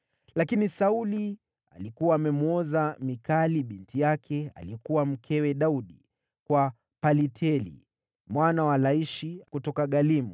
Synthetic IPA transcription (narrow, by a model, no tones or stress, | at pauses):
lakinisauli | alikuwaːmɛmuɔzamikaliɓintʰijakʰɛa̰liɛkuwam̩kʰɛwɛɗauɗi | kwa | palitʰɛlḭ | mwanawalaiʃikutɔkaɠalimu